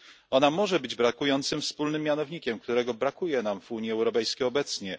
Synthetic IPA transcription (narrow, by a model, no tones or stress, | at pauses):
ɔnamɔʐɛbɘd͡ʑbɾakujɔnt̪sɘmfspulnɘmʲːjanɔvɲikʲɛmkt̪uɾɛɡɔbɾakujɛnamvuɲiɛwɾɔpɛjskʲejɔbɛt̪sɲɛ